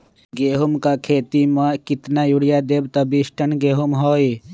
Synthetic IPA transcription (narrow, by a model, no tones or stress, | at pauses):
ɡeːɦumkakʰeːt̪imakit̪najuɽijad̪eːbt̪ɐbisʈənɡeːɦumɦoːi